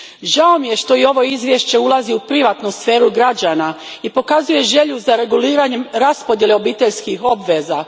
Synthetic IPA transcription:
ʒao̞mije̞ʃt̪o̞io̞ʋo̞izʋʲjeʃt͡ɕe̞ulˠaziupɾiʋaːt̪nusfe̞ːɾuɡɾad͡ʑaːna | ipo̞kazuje̞ʒe̞ʎuzaɾe̞ɡuliːɾaɲe̞mɾaspo̞d̪jeleo̞biːt̪e̞ʎskiɦo̞bʋe̞za

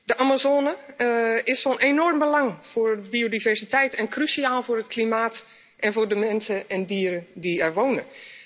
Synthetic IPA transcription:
dəʔamazoːnə | ɪsfɔnʔenɔrmbəlɑŋfoːrbiodivɛrsitɛjtɛnkrysiaːlˠvʊːrətkʰlimaːt | ʔɛnvʊːrdəmɛnsəɛndiəɾədiɛɹʋownə

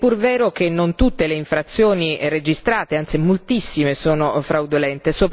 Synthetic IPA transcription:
pːurvɛːɾok̟enːont̪ut̪ːeleiɱfɾat̪sjoːnired͡ʒist̪ɾaːt̪eant̪simolt̪isːimesoːnofɾawd̪olɛnt̪esoːp

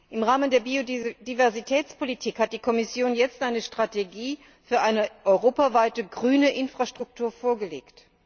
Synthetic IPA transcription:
ʔɪmʁaːməndeːɐbiod̥ivɛɐzitʰɛːt͡spʰolitʰiːkhat̚d̥iːkʰɔmɪsjoːnjɛt͡stʔaɪnəʃtʁ̥ateɡiː | fyːɐʔaɪnəʔɔʏʁoːpavaɪtəɡʁyːnəʔɪnfʁ̥aʃtʁ̥ʊk̚tʰuːɐfoːɐɡəlḛːkt

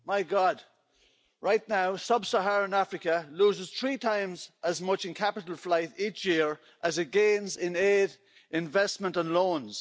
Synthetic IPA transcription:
maɪɡɑd | ɹaɪtⁿnaʊsʌbsəɦaɹə̃nafɹɪkəluːzɪz̥θɹiːtʰãɪ̃mzʔəzmʌt͡ʃɪ̃nkʰapɪɾəl̩ˠflaɪɾit͡ʃjɪəɹ | ʔəzɪt̚ɡ̥ẽnzɪ̃neːɾ | ʔɪ̃ɱvɛstmə̃ntə̃nlõːnz̥

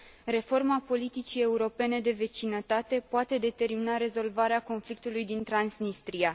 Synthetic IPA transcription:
re̞fo̞rmapo̞lit̪it͡ʃie̞uɾo̞pe̞ne̞d̪e̞ve̞t͡ʃinət̪at̪e̞poat̪e̞d̪e̞t̪e̞rminaɾe̞zo̞lvaɾeako̞nflik̚t̪ulujd̪int̪ɾansnist̪ɾia

